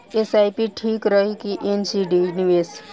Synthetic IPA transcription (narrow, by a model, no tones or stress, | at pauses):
esajpiʈʰikɾəɦikiʔensiɖiniʋes